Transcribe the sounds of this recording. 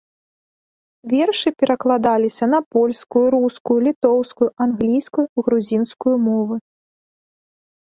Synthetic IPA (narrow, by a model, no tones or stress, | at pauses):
vʲɛrʂɨpʲɛɾʔɐklˠad̪alʲisʲɐnɐpɔlʲskujuɾuskujulʲit̪ɔwskujuʔanɣlʲijskujuiɣɾuzʲinskujumɔvɨ